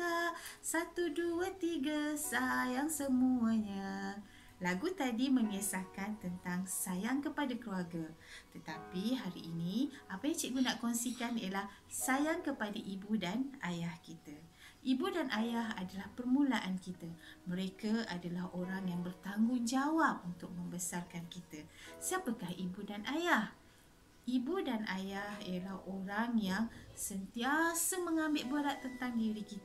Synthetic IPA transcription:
asat̪uduət̪iɡasajaŋsəmuəɲa | laɡut̪adiməŋesakant̪ənt̪aŋsajaŋkəpadakəluaɡat̪ət̪apiɦaɾḭʔːnĩapajat͡ʃiʔɡunaʔkɔnsikanijalah | sajaŋkəpadaʔibudanajahkit̪a | ʔibudanʔajaɦadalahpərmulaʔankit̪amə̃ɾekaadalahoɾaŋjaŋbərt̪aŋɡʊŋd͡ʒawap̚unt̪ʊk̚mə̃mbəsarkankit̪asiapəkahibudanajah | ibudanʔajahijəlahoɾaŋjaŋsənt̪iasəməŋãmbɪlʔbəɾat̪ːənt̪aŋdiɾikit̪

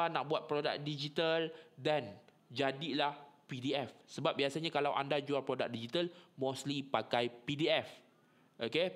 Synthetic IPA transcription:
anaʔbuat̪̚pɾoda̰k̚did͡ʒit̪aldan | d͡ʒadilahpidiɛfsəbap̚biasaɲãkalawʔa̰ndad͡ʒualpɾoda̰k̚did͡ʒit̪almoslipakajpidiɛf | ʔoke

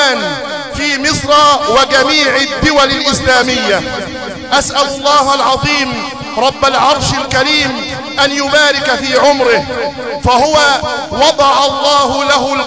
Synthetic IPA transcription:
n | fiːmɪsˤɾˤɑːwɪɡamiːʕɪd̪ːɪwalɪlʔɪslaːmɪjːa | ʔasʔalʊlˤːɑːhalʕɑðˤiːm | ɾˤɑbːalʕɑɾˤʃalkaɾiːm | ʔanjʊbaːɾɪkfiːʕʊmɾɪhfahʊwawɑd̪ˤɑʕɑlˤːɑːhʊlahʊ

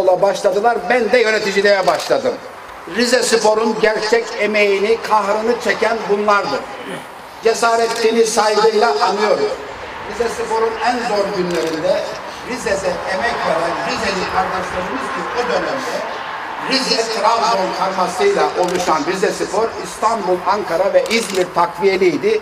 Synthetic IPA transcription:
olˠabaʃlˠad̪ɯlˠaɾbænd̪ɛjø̞net̪ʰid͡ʒilʲejɛbaʃlˠad̪ɯm | ɾizɛsɯpʰo̞ɾunɟæɾt͡ʃʰɛceme̞jinikʰahɾɯnɯt͡ʃʰecʰænbunlˠaɾd̪ɯɾ | d͡ʒesaːɾɛt̪linisajlˠɯjlˠaʔːnːɯjo̞ɾuz̥ | ɾizɛsipʰo̞ɾunænzo̞ɾɟynlʲe̞ɾind̪ɛ | ɾized̪ɛemɛcveɾænɾizenikʰaɾd̪aʃlˠad̪ɯmɯzɟiud̪ø̞nɛmd̪ɛ | ɾizɛt̪ʰɾalt̪onkʰaɾmasɯjlˠaʔo̞lˠuʃanɾizɛsɯpo̞ɾist̪ʰanbulˠaŋkʰaɾavɛʔizbiɾt̪ʰakvije̞lʲijd̪i

